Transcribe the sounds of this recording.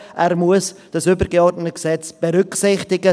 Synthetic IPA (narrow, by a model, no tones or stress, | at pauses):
ʔɛːɾmuəsd̥ɑsʏbəɾɡeɔrdnətəksɛt͡sb̥eɾʏksɪχtɪɡə